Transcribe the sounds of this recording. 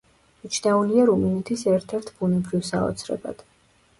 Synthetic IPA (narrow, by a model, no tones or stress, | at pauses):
mit͡ʃʰnauniaɾuminɛt̪ʰisɛɾt̪ʰɛɾt̪ʰbunɛbɾivsaɔ̰t̪sʰɾɛ̰ba̰d̪̥